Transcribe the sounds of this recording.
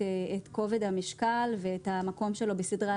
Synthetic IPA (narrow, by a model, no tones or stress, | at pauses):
eeko̞vedhamiʃkalveːthamako̞mʃe̞lo̞besidʁa